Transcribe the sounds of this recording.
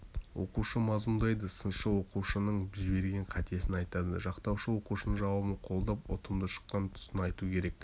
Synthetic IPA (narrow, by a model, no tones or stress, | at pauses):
wʔo̞̰quʃəmɑzmʊnd̪ɑjd̪əsənʃəwo̞quʃənəɴʒɪbe̞ɾɡʲe̞ɴqʰɑt̪ie̞sɪnɑjt̪ɑd̪əʒɑqt̪ɑwʃəwo̞quʃənəʒɑwɑbəɴqʰo̞lˠd̪ɑpo̰t̪əmd̪əʃə̥qːɑnt̪ʰʊ̥sənɑjt̪ukʲʰe̞ɾe̞k̚